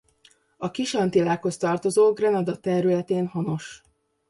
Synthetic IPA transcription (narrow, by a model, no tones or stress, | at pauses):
ɒkiʃɒnt̪ilaːkho̞st̪ɒrt̪o̞zoːɡrɛnɒd̪ɒt̪ɛɾylɛt̪eːnhɒno̞ʃ